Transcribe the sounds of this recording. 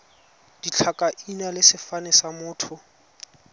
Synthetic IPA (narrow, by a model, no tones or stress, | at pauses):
d̥it͡ɬʰakʼaʔinalɪsɪfanɛsamʊːtʰʊ